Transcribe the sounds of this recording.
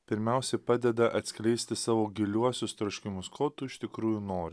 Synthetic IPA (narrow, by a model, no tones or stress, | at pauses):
pʲɪɾʲmʲɛˑʊsʲɛpɑːd̪ʲɛd̪ɐʔɐt̪ʲsʲkʲlʲɛɪsʲt̪ʲɪsɑːʋoːɡʲɪlʲuɔsʲʊst̪ɾoʃʲkʲɪmʊskoːt̪ʊɪʃt̪ʲɪkɾuːjuːnoːɾʲ